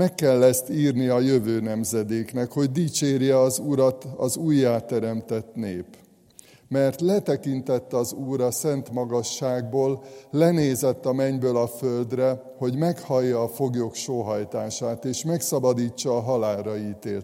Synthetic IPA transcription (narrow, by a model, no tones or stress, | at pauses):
mɛkːɛlːɛst̪iːrniɒjø̞vøːnɛmzɛd̪eːknɛkho̞ɟd̪iːt͡ʃeːrjɛɒzuɾɒt̪ɒ̰zuːjːaːt̪ːɛɾɛmt̪ɛt̪neːp | mɛrt̪lɛt̪ɛkint̪ɛt̪ːɒzuːɾɒsɛnt̪mɒɡɒʃːaːɡ̚boːlːɛneːzɛt̪ːɒmɛɲbøːlɒføld̪rɛ | ho̞ɟmɛkhɒjːɒːfo̞ɡjokʃoːɦɒjt̪aːʃaːt̪eːʃmɛksɒbɒd̪iːt͡ʃːɒːɦɒlaːlrɒiːt̪eːlt̪